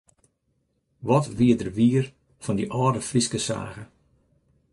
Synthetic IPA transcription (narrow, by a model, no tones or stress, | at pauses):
ʋɔtʋiədərʋiːər | fɔndiʔɔːdəfriskəsa̰ːɣə